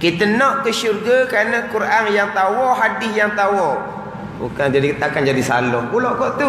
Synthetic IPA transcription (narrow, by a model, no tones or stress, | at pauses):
kit̪ənɔʔkəʃurɡakɾanəkuɾʔanjaŋt̪awɔɦadɪsjaŋt̪awɔ | ṵkad͡ʒadit̪akand͡ʒadisa̰lɔhkulɔʔkɔʔt̪u